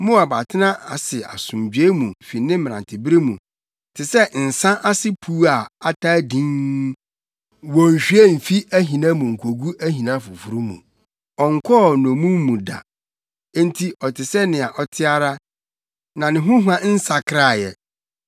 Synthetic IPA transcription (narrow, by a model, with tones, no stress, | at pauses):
mʊ̃˦a˨ba˨tʰɪ˦nã˦a̰˨sɪ˨a̰˨sʊ̃˨md͡ʑᶣɥe˦mũ˨fi˨nɪ̃˦m˦m˨ã˨tʰɪ˨bɪ˦ɾi˦mũ˨ | tʰɪ˨sɛ˦n̩˨sã˦ʔa˦sɪ˦pʰu˦a˨a˦tʰa˦dĩ˦ŋ | wɔ̃˨n̩˨ɕᶣɥe˦m̩˨fi˦æ˦ɦĩ˨nã˦mũ˨ŋ̩˨kʷʰo˨ɡu˦æ˦ɦĩ˨nã˦fʊ˨fu˨˦ɾu˦mṵ̃˨ | ɔ˨ŋ̩˨kʰɔ˦˨nɔ̃˨mũ˦mː˦ũ˨dã̰˨˦ | n˦tʰi˦ʔɔ˨tʰɪ˨sɛ˦nɪ̃˨a˨ʔɔ˨tʰɪ˦a˦ɾa˦ | nã˨nɪ̃˨ɦʊ̃˦ɦã˦n̩˦sa˨kʰɾa˦˨jɛ˨